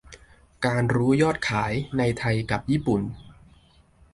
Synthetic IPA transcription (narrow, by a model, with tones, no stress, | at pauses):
kaː˧nɾuː˦˥jɔː˥˩t̪̚kʰaː˩˦jna˧jt̪ʰa˧jka˨˩p̚jiː˥˩pu˨˩n